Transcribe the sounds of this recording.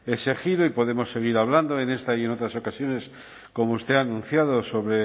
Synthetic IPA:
e̞sexiɾoipo̞ðe̞mo̞sːe̞ɣ̞iɾaβ̞land̪oene̞st̪aieno̞t̪ɾaso̞kasjo̞ne̞s | ko̞moust̪e̞aːnũn̟θjað̞oso̞βɾe

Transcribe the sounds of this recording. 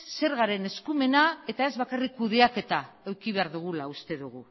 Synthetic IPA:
se̞ɾɣaɾe̞ne̞skume̞nae̞t̪ae̞zβakarikːuðe̞ake̞t̪aewkiβ̞e̞aɾðuɣ̞ulaust̪e̞ðuɣu

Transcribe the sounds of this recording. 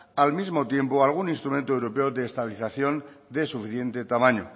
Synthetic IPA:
almizmot̪je̞mpoalɣ̞uninst̪ɾumẽnt̪oewɾopeoðeːst̪aβiliθaθjo̞n | d̪esufiθje̞nt̪e̞t̪amãɲo̰

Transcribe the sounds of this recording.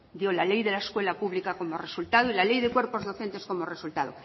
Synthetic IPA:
d̪jo̞lale̞jðe̞laeskwe̞lapuβlikako̞more̞sult̪aðoilale̞jðekwe̞ɾpo̞zðoθe̞nt̪e̞sko̞more̞sult̪aðo

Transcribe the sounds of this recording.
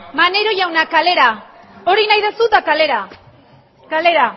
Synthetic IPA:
maneɾojawnakaleɾa | o̞ɾinajðesut̪akaleɾa | kale̞ɾa

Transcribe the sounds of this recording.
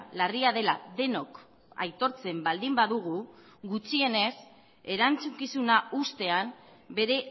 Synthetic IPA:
lariað̞e̞laðe̞no̞k | a̰jt̪o̞ɾt͡se̞mbald̪imbaðuɣ̞u | ɣut͡ʃie̞ne̞s | e̞ɾant͡sukisunaust̪e̞ambe̞ɾe̞

